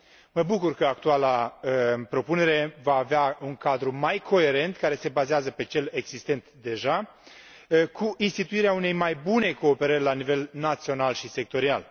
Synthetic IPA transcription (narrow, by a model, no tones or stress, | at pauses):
məbukurkəak̚t̪ualaəpɾo̞pune̞ɾe̞vaːveauŋkad̪ɾumajkʰo̞e̞ɾe̞nt̪kaɾe̞se̞bazeazəpe̞t͡ʃe̞le̞ɡz̥ist̪e̞nt̪d̪e̞ʒa | kʰuʔinst̪it̪uiɾeaune̞jmajbune̞ko̞ːpe̞ɾərʲlanive̞lnat̪sio̞nalʃise̞k̚t̪o̞ɾia̰l